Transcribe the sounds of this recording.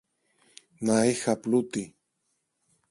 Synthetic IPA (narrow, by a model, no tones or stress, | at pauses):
naexaplut̪i